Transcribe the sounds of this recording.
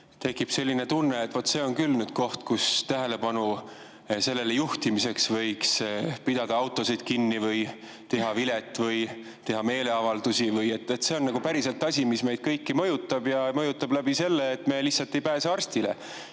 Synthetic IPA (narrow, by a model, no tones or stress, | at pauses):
t̪e̞kːˑipse̞lʲːine̞t̪unːe̞ːt̪ːˑvo̞t̪ːse̞o̞nkylnyd̪̥ko̞ht̪kust̪æɦe̞le̞pɑnu | se̞lːe̞lejuht̪imise̞ksvɤjkspid̪̥ɑd̪̥ɑɑwt̪ːˑo̞sid̪̥̚kinːivɤj | t̪e̞ɦɑvilet̪ːˑvɤj | t̪e̞ɦɑme̞ːle̞ɑvɑld̪̥usivɯje̞t̪ːˑet̪ːse̞o̞nːɑɡ̥upæɾiselt̪ːˑɑsʲimisme̞jd̪̥kɤjkːimɤjut̪ːˑɑb̥jɑmɤjut̪ːˑɑblæbise̞lːeːt̪me̞lisːɑlt̪ːˑe̞jpæːseɑrst̪ilḛ